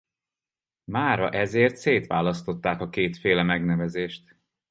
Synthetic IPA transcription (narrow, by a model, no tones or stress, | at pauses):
maːɾɒ̰ʔɛzeːrt̪seːt̪ʋaːlɒst̪o̞t̪ːaːkɒkeːt̪feːlɛmɛɡnɛvɛzeːʃt̪